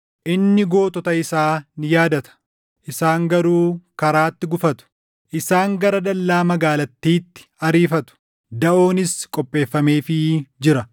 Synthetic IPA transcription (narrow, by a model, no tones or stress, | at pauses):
ʔɪnːɪɡo̞ːt̪ɔt̪ɐɪsaːnɪjaːd̪ɐt̪ɐ̥ | ʔɪsaːŋɡɐɾuːkɐɾaːt̪ːɪɡʊfɐt̪ʊ̥ | ʔɪsaːŋɡɐɾɐd̪ɐlːaːmɐɡaːlɐt̪ːiːt̪ːɪ̥ɐɾiːfɐt̪ʊ̥ | d̪ɐʔo̞ːnɪskʼɔpʼːe̞ːfːɐmeːfɪd͡ʒɪɾɐ